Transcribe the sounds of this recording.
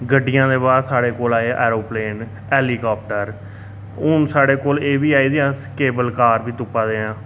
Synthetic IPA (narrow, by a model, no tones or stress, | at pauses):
ɡəɖːɪjãːd̪eːbaːd̪saːɽeːkoːlaːeːʔɛːɾoːpleːn | ɛːliːkaːp̚ʈəɾ | ʊnsaːɽeːkoːleːbiːaːiːd̪eãːskeːbəlkaːɾbiːt̪ʊpːãːd̪eːãː